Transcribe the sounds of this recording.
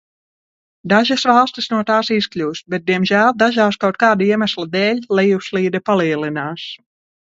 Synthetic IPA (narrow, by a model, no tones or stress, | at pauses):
d̪aʒasvalˠst̪isnuɔt̪aːsisklʲuːsbɛt̪̚d̪iɛmʒæːlˠd̪aʒaːskawt̪̚kaːd̪aiɛmæslˠad̪ɛːlʲlˠɛjusliːd̪ɛpaliɛlinaːs